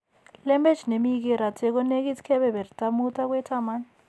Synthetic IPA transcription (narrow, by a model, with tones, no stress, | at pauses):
lɛ˦mbɛ˦t͡ʃne˨mi˦k̬ɛ˦ɾa˨tʰɛ˦k̬ɔ˦ne˦k̬i˦tʰkʰɛ˦βɛ˨βɛ˨ɾi˨ta˦mu˦tʼa˦k̬wɛ˦tʰama˦ni